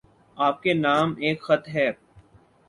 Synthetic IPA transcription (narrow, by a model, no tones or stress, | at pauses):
aːp̚kenaːmeːkxɐt̪ʰɦɛː